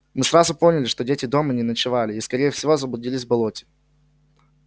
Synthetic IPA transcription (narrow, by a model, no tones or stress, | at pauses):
mɨsɾazʊpo̞nʲɪlʲɪʂt̪odʲetʲɪd̪o̞mənʲɪnət͡ɕɪvalʲɪiskɐɾʲejɛfsʲɪvozəblˠʊdʲilʲɪsʲvbɐlˠotʲɪ̥